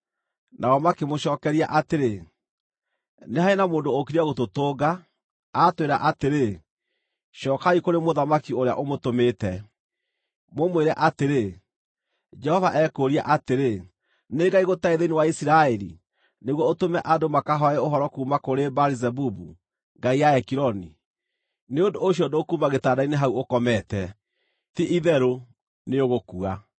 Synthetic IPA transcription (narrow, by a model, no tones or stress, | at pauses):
nʔaɣɔmakemoɕɔːkɛɾiaʔateɾe | neɦaenamoːndookiɾɛɣototoːɡaː | tweɾaʔateɾe | ʃɔːkaikoɾemoðamakioɾea̰ʔomotometɛ | momweɾɛʔateɾe | d͡ʒɛhɔvaʔɛkoɾia̰ʔateɾe | neɡaiɣotaeðenewaisiɾaɛɾḭ | neɣwɔotomɛʔadomakaɦɔɛoɦɔɾɔkuːmakoɾebaɾizɛbubṵ | ŋɡaijaɛkiɾɔnḭ | neondoːɕ̬jɔdokumaɣetaːdaineɦauokɔmɛtɛ | tiʔiðɛɾo | neoɣokua